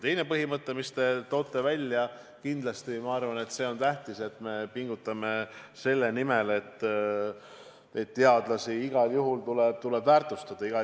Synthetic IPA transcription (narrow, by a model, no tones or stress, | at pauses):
t̪ejne̞pɤɦimɤt̪ːˑe̞mist̪e̞t̪o̞ːt̪ːˑe̞vælʲjɑ | kind̪lɑst̪imɑɑrvɑne̞t̪se̞o̞nt̪æht̪ise̞t̪me̞piŋɡ̥ut̪ːˑɑme̞se̞lːe̞nime̞le̞t̪ːˑ | et̪ːe̞ɑd̪̥lɑsiiɡ̥ɑljuɦult̪uleb̥̚t̪ule̞bvæːrt̪ˑust̪ɑd̪̥ɑiɡ̥ɑ